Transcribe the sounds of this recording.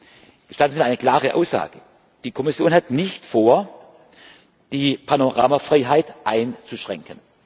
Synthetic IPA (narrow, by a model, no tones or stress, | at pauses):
ɡ̥əʃtatn̩ziaɪnəkl̥aːʁəʔa̰ʊsz̥a̰ːɡə | d̥iːkʰɔmɪsjoːnhatnɪçtfoːɐ | d̥iːpʰanoʁa̰ːmafʁaɪɦaɪtʔaɪnt͡suʃʁ̥ɛ̰ŋkən